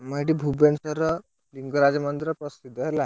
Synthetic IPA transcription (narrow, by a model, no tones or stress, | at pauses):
məɽibʱubensəɾə | liŋɡəɾad͡zmənd̪ɾəpɾəsid̪ʱːəlaɦ